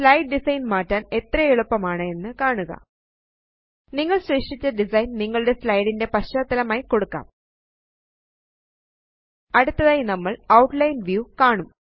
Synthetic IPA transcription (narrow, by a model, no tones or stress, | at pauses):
slɐjɖ̚ɖisɐjnmaːʈːaːne̞t̪rɐjeɭupːɐmaːɳɨe̞nːɨkaːɳuɣɐ̰ | niŋːɐɭɕreːʂit͡ɕːɐɖisɐjnniŋːɐɭɨɽe̞slɐjɽinde̞pɐɕoːt̪ːɐlɐmaːjiko̞ɽukːa̰ːm | ɐɽut̪ːɐðaːjinɐmːɐɭɐwʈlɐjnʋjukaːɳum